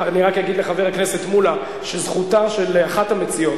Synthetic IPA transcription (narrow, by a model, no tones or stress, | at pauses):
aniʁakjaɡid̪le̞χaveʁaknese̞tmula | ʃezχutaʃelaχathamet͡sijo̞t